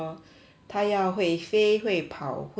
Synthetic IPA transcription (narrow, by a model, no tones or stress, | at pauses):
t̪ʰajɑʊxweɪfeɪxweɪpʰɑʊxw